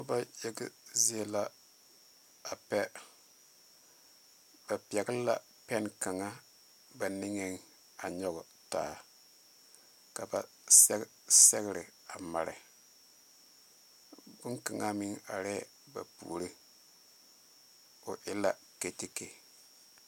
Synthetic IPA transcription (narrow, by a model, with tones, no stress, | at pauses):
ba˦je˦ɡɪ˦zi˦e˦la˦ | a˨pɛ˦ | b̥a˨pjɛ˨ɡɪ˦la˦ | pɛ˦nka˨ŋa˦ | ba˨nɪ˦ŋe˨ŋ | a˨ɲɔ˦ɡʊ˨ | ta̰ː˨ | ka˨ba˨ | sɛ˦ | sɛ˦ɣɪ˦ɾɪ˨ | a˨ma˨ɾɪ̰˨ | bʊ˦ŋka˨ŋʔa˦mi˦ŋa̰˨ɾɛː˦ | ba̰˨pṵ˨ɾi˦ | o˨ʔɪ˦la˦ | ke˨te˦ke˨